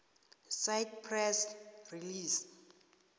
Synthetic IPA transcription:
sajdpʰrɛsriliːs

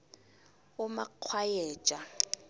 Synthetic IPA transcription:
ʊmaq͡χʰwajɛ̥ːt͡ʃʼa

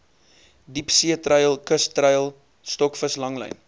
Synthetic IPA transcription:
dipsiətrəjəlˠkəstrəjəlˠ | stɔkfəslɐŋlə̰jn

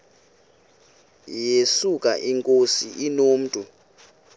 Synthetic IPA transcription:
jesukʼa̰ʔiŋkʼosiʔinoːm̩tʼu

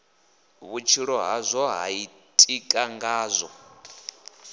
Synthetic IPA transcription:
βut͡ʃʰiɺɔɦazʷɔɦa̰i | tʼikʼaŋɡaːzʷɔ

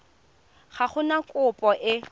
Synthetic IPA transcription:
χaχʊnakʼʊpʼɔʔɪ

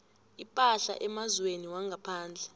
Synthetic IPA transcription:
ipʼaɬa̰ʔɛmazweniwaŋɡʱapʰaːnd͡ɮʱɛ

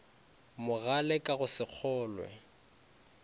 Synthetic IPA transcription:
mʊɣalɛkʼaɣʊsɪk͡xʰɔːlwɛ̰

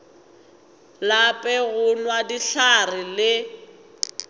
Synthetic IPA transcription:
lapʼɛɣʊnwadiɬarɪlɪ

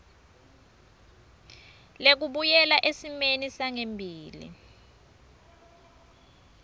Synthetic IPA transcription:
lek̬uɓujɛlaʔesimenisaŋembʱiːlḭ

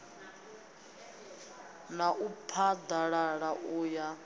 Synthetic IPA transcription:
naʔupʰad̪aɺaɺaʔuːja

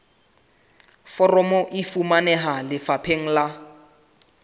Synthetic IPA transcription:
fɔrɔmɔʔifumanɛɦalɪfapʰeŋ̩la

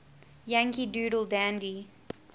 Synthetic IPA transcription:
jæ̃ŋkiduːɾəl̩ˠdæ̃ndi

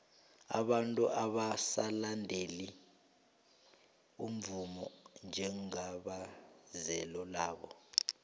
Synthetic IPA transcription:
a̰ɓantʼuʔaɓasalandʱeli | um̩vumɔ̰nd͡ʒʱɛŋaɓazɛlɔlaːɓɔ

